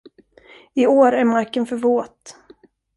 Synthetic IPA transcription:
ɪoːɾæɾmaɾkənfœɾvoːt̪

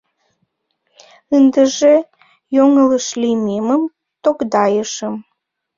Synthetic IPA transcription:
ənd̪əʒe | joŋələʃlimeməm | t̪okd̪ɑjəʃəm

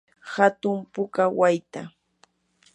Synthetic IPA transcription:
hat̪ʊmpʊkawajt̪a

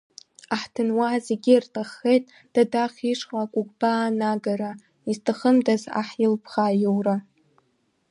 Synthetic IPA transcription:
aħtʰɨnwazeɡʲirtʰaχːejtʼ | d̥adaχʲiʂχakʷʼʊɡʷʼbaːnaɡaɾa | iztʰaχəmdaza̰ħjɪlpʰχajowra

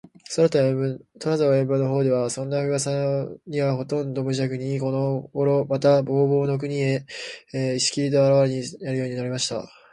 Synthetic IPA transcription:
soɾat̪aɯt̪oɾazaembɯno̞ɦo̞ːd̪e̞βasõ̞nːaɸɯ̟ɡasaɲ̟iβaɦo̞t̪õ̞nd̪o̞mɯ̟ʑakɯ̟ɲ̟iko̞no̞ɡoɾo̞mat̪abo̞ːbo̞ːno̞k̬ɯ̟ɲ̟ie̞ | iɕi̥kʲiɾit̪̬aaɾaβaɾeɲinaɾɯ̟jo̞ːɲ̟inaɾʲimaɕi̥t̪a̰

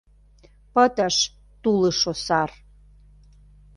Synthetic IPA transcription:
pət̪əʃ | t̪uləʃosɑr

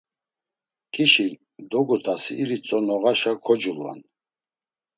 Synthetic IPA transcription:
kʰʼiʃi | d̪ɔɡut̪ʰasiːɾit͡sʼɔnɔɣaʃakʰɔd͡ʒulːa̰n

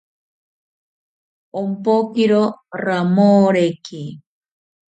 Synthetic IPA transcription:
ompokiɾoramoɾeki

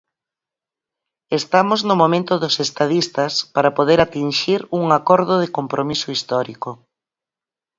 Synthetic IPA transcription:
est̪amoznʊmomẽnt̪ʊðʊsest̪aðist̪ɐspaɾapoðeɾat̪inʃiɾuŋakɔɾðʊðɪkompɾʔomisʊist̪ɔɾikʊ

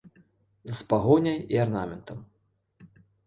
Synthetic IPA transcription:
zɐspaɣɔnʲɐjiarnamʲɛnt̪ʰɐm

